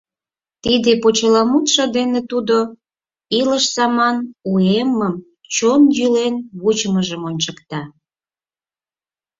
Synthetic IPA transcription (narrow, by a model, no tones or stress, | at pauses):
t̪id̪epot͡ɕəlɑmut̪ʃod̪enet̪ud̪o | iləʃsɑmɑnueməm | t͡ɕonjylenβut͡ɕməʒəmonʲt͡ɕəkt̪ɑ